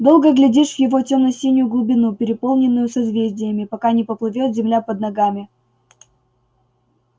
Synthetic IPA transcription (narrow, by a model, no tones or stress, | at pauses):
d̪o̞lˠɡəɡlʲɪdʲiʂvjɪvo̞tʲemnɐsʲenʲɪjʊɡlˠʊbʲɪnupʲɪɾʲɪpo̞lˠnʲɪnːʊjʊsɐzvʲezʲdʲɪjəmʲɪpɐkanʲɪpəplˠɨvʲot̪zʲɪmlʲapəd̪̚nɐɡamʲɪ